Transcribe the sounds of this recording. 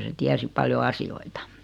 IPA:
se tiæsi pɑljo ɑsioitɑ

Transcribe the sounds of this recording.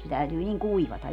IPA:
se tæytyː niŋ kuiʋɑtɑ

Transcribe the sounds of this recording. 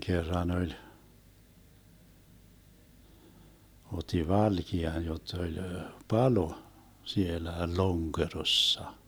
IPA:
kerːɑn olʲ otˑi ʋɑlkiɑn jotː olʲ pɑlo sielæ loŋkerosːɑ

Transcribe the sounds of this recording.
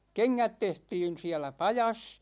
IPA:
keŋːæt tehtiːn̞ siælæ pɑjɑs

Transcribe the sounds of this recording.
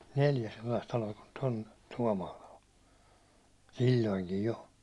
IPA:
neljæ selːɑist tɑloɑ kun tom tuɒmɑːlɑ o silʲːoiŋkij jo

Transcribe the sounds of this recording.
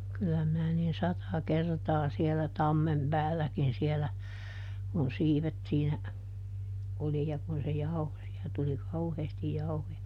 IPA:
kylˑæ minæ niːn sɑtɑ kertɑː sielæ tɑmːem pæːlːækin sielæ kun siːʋet siːnæ oli jɑ kun se jɑuho siæ tuli kɑuheːstij jɑuhojɑ

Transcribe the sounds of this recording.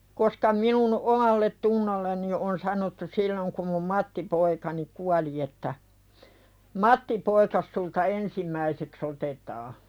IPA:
koskɑ minun omɑlːetːunːolːeni on sɑnotːu silːoŋ kum mum mɑtːipoikɑni kuɑli etːæ mɑtːipoikɑs sultɑ ensimˑæiseks otetɑː

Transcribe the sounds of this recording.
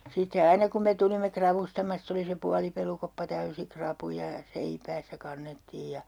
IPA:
sitːe ɑinɑ kum me tulimːe krɑʋustɑmɑstɑ̆ se oli se puɑlipelukopːɑ tæysi krɑpujɑ jɑ seipæːsːæ kɑnːetːiːj jɑ

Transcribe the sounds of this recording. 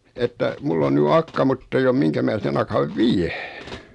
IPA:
etːæ mulː on ny ɑkːɑ mutː eij om miŋkæ mæː sen ɑkɑʋ ʋiæ

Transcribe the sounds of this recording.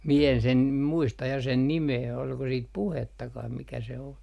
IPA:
mie en sen muistɑ jɑ sen nimeː olko siːt puhetːɑkɑh mikæ se o

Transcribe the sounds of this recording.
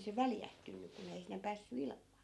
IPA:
se ʋæljæhtynːy kun ei sinːe pæːsːy ilmˑɑ̥ː

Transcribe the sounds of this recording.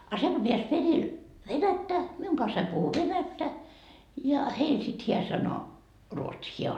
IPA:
ɑ se ko peæs peril ʋenætːæ miuŋ kɑnsɑim puhu ʋenætːæ jɑ heil sit hiæ sɑno ruotsiː hiæ

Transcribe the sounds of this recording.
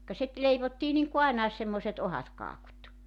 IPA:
kɑ sit leiʋotːiː niŋku ɑenɑes semːoĭset ohɑt kɑːkut

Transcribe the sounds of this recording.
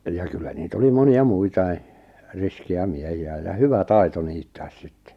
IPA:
jɑ kylːæ niːt oli moniɑ muitɑi riskiæ miehiæ jɑ hyʋæ tɑi̞to niːtːæːs si̥tːe̥

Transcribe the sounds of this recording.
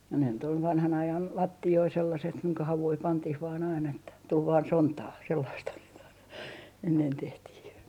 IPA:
jɑ ne nyt ol ʋɑnhɑn ɑjɑn lɑtːioi selːɑset kuiŋkɑ hɑʋui pɑntih ʋɑːn ɑin etːæ tul ʋɑːn sontɑː selːɑisthɑn sit ɑinɑ enːen tehtih

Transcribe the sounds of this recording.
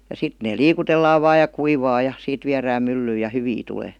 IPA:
jɑ sit ne liːkutelːɑːʋ ʋɑːj jɑ kuiʋɑː jɑ siːt ʋiæræːm mylːyːj̆ jɑ hyʋi tuleː

